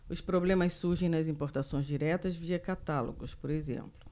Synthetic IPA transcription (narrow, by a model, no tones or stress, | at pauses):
ʊspɾoblẽmɐssuɾʒẽj̃nɐzĩpoɾt̪asõj̃zd͡ʒiɾɛt̪ɐzviɐkat̪alo̰ɡʊspoɾezḛ̃mplʊ